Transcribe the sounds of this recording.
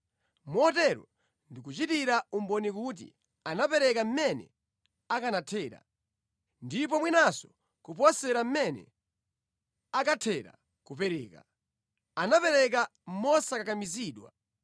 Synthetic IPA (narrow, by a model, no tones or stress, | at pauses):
mɔtɛɾɔ | ndikut͡ʃitiɾaumbɔnikut̬ḭ | anapɛɾɛkam̩mɛnɛ̰ | akanatʰɛːɾa̰ | ndip̬ɔmwinasɔ̥ | kupɔsɛɾam̩mɛnɛ̰ | akatʰɛɾa̰ | kupɛɾɛ̰ːka̰ | anapɛɾɛk̬am̩mɔsakakamiziːɗwa̰